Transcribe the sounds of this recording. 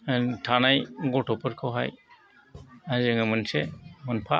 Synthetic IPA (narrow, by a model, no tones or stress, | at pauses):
tʰanajɡɔtɔpʰɯɾkʰɔwɦaj | azɯŋɯmɯnsemɯnpʰa